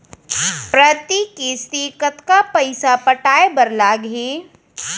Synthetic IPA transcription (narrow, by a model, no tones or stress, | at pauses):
pɾət̪ikist̪ikət̪kapɐɪsapəʈaːebəɾlaːɡɦi